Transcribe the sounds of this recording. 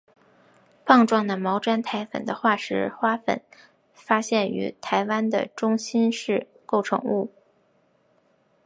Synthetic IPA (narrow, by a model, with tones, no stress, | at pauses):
pɑ˥˧ŋʈ͡ʂwɑ˥˩ŋd̪ə˩mɑ˧˥ʊʈ͡ʂwa˥nt̪ʰa˧˥ɪfə̰˨˩nd̪ə̰˦xwa˥˩ʂɻ̩˧˥xwa˥fə̰˨˩˦n | fa˥ɕjɛ˥˩ny̰˧˥t̪ʰa˧˥ɪwa˥nd̪ə̰˨ʈ͡ʂʊ˥ŋɕi˥nʂɻ̩˥˩ | ko˥˩ʊʈ͡ʂʰɤ̰˧˥ŋu˥˩